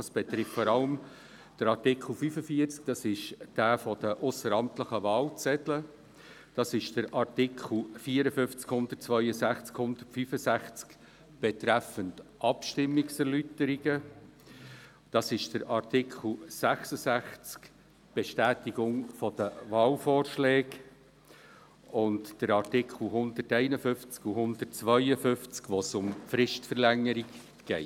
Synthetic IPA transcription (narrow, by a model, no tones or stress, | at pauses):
ɑsb̥et̪ɾɪftfɔɾɑləm | d̥əɾɑrtɪkʰl̩ˠfyfəfiəɾt͡sk̚d̥ɑsɪʃd̥æːfɔd̥əʔʊsəɾɑmtləχəvɑːlt͡sɛtlə | d̥ɑsɪʃd̥əɾʔɑrtɪkʰl̩fiːəɾəfʏnft͡skhʊnd̪ərt̚t͡svœʏəsæχt͡skhʊndərtfyːfəsæχt͡sk | b̥et̪ɾæfəntʔɑpʃtɪmːɪksɛɾlytəɾɪɡ̥ə | d̥ɑsɪʃd̥əɾʔɑrtɪkʰl̩ˠsæχsəsæχt͡sk | b̥eʃtæːtiɡ̥ʊŋfɔd̥əvɑːlfɔːrʃlɛːk | ʊntd̥əɾɑrtɪkχl̩ˠɦʊnd̥̪ərtɛɪnəfʏft͡skuɦʊndət̚t͡sʋœʏəfʏft͡skʋosʊmfɾɪʃtfəɾlæŋːəɾik | ɡ̥ɛɪ